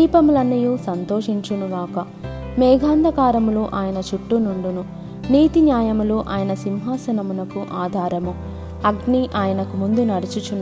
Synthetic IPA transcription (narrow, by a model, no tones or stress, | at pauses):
iːpɐmulɐnːɐjuːsɐnt̪oːʂiɲt͡ʃunuɡaːkɐ | mɛːɡʱaːnd̪ʱɐkaːɾɐmuluːʔaːjɐnɐt͡ʃuʈːunuɳɖunu | niːt̪injaːjɐmuluːʔaːjɐnɐsimɦaːsɐnɐmunɐkuʔaːd̪ʱaːɾɐmu | ɐɡniʔaːjɐnɐkumund̪unɐɾit͡ʃut͡ʃun